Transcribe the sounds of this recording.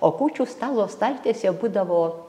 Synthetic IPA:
oːkuːt͡ʃʲuːst̪ɑːlˠoːst̪ɐlʲt̪ʲeːsʲɛbuːd̪ɐʋoː

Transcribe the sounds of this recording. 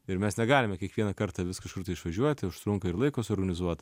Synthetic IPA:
ɪɾmʲɛsnʲɛɡɑːlʲɪmʲɛkʲiɛkʋʲiɛnɐkɐɾt̪ɑːʋʲɪskɐʃkʊɾt̪ɐɪɪʃʋɐʒʲuɔt̪ʲʊʃt̪ɾʊŋkɐɪɾlˠɐɪkoːsɔːɾɡɐnʲɪzuɔt̪

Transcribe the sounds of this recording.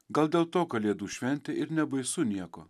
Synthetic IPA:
ɡɐlˠd̪ʲeːlˠt̪oːkɐlʲeːd̪uːʃʲʋʲɛnʲt̪ʲɪɪɾnʲɛbɐɪsʊnʲiɛko̰

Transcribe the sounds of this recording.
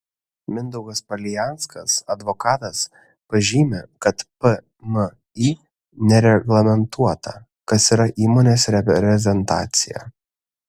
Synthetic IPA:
mʲɪnd̪ɔʊɡɐspɐlʲɪjæˑnskɐsɐd̪ʋɔkɑːt̪ɐs | pɐʒʲiːmʲekɐt̪pə | mə | iː | nʲɛɾʲɛɡlˠɐmʲɛnt̪uɔt̪ɐ̰ | kɐsiːɾɐʔiːmoːnʲeːsɾʲɛpʲɾʲɛzʲɛnt̪ɑ̰ːt̪sʲɪjɛ̰

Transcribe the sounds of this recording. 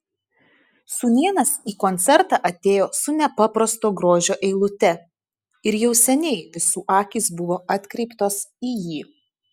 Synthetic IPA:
suːnʲiɛnɐsiːkɔnʲt̪sʲɛɾt̪ɑʔɐt̪ʲeːjoːsʊnʲɛpɐpɾɐst̪oːɡɾoːʒʲoːʔɛɪlˠʊt̪ʲɛ | ɪɾjɛʊsʲɛnʲɛɪʋʲɪsuːʔɑːkʲiːsbʊʋoːʔɐt̪ʲkɾʲɛɪpt̪oːsiːjiː

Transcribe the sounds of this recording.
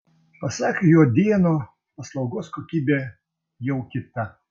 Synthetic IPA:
pɐsɑːkʲejoːd̪ʲiɛnoː | pɐslˠɐʊɡoːskoːkʲiːbʲeː | jɛʊkʲɪt̪ɐ

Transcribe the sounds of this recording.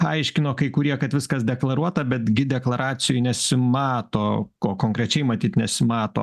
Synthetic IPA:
ɐɪʃʲkʲɪnoːkɐɪkʊɾʲiɛkɐt̪ʋʲɪskɐsd̪ʲɛklˠɐɾuɔt̪ɐbʲɛt̪ɡʲɪd̪ʲɛklˠɐɾɑːt̪sʲɪjʊɪnʲɛsʲɪmɑːt̪oːkoːkoːŋkɾʲɛt͡ʃʲɛɪmɐt̪ʲiːt̪nʲɛsʲɪmɑːt̪o̰ː

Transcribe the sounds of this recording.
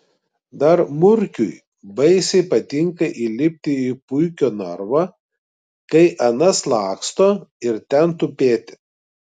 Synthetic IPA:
d̪ɐɾmʊɾʲkʲʊj | bɐɪsʲɛɪpɐt̪ʲɪŋkɐʔilʲɪpʲt̪ʲɪipʊɪkʲoːnɐɾʋɑ | kɐɪʔɐnɐslˠɑːkst̪oːɪɾt̪ʲɛnt̪ʊpʲeːt̪ʲɪ̥

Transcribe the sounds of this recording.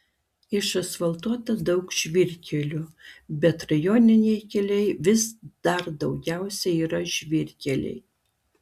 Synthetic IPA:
ɪʃɐsfɐlˠt̪uɔt̪ɐd̪ɐʊkʒ̥ʲʋʲɪɾʲkʲʰɛlʲʊbʲɛt̪ɾɐjoːnʲɪnʲɛɪkʲɛlʲɛɪʋʲɪsd̪̥ɐɾd̪ɒʊɡʲæˑʊsʲɛiːɾɐʒʲʋʲɪɾʲkʲɛlʲɛ̰ɪ

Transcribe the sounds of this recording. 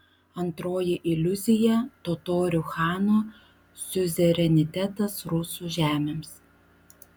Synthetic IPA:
ɐnt̪ɾoːjɪʔɪlʲʊzʲɪjɛt̪ot̪oːɾʲʊxɑːnoː | sʲʊzʲɛɾʲɛnʲɪt̪ʲɛt̪ɐsɾʊsuːʒʲæːmʲeːms

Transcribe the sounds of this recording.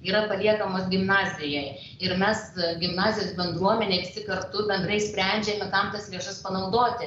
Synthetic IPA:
iːɾɐpɐlʲiɛkɐmoːsɡʲɪmnɑːzʲɪjɛɪj | ɪɾmʲɛsɡʲɪmnɑːzʲɪjoːsbʲɛnd̪ɾuɔmʲɛnʲeɛɪʋʲɪsʲɪkɐɾt̪ʊbʲɛnd̪ɾɐɪsʲpʲɾʲæˑnʲd͡ʒʲɛmʲɛkɐmt̪ɐslʲeːʃɐspɐnɐʊd̪oːt̪ʲɪ

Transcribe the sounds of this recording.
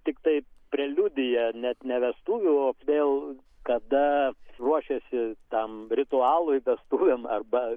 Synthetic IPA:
t̪ʲɪkt̪ɐɪpʲɾʲɛlʲud̪ʲɪjɛnʲɛt̪nʲɛʋʲɛst̪uːʋʲʊoːʋʲeːlˠ | kɐd̪ɐruɔʃʲɛsʲɪt̪ɐmɾʲɪt̪ʊɑːlˠʊjʋʲɛst̪uːʋʲɛmɐrbɐ

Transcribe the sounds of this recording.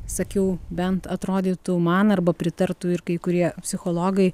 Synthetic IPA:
sɐkʲɛʊbʲɛnt̪ɐt̪ɾoːd̪ʲiːt̪ʊmɐnɐrbɐpʲɾʲɪt̪ɐrt̪ʊɪɾkɐɪkʊɾʲiɛpʲsʲɪxoːlˠoːɡɐɪ

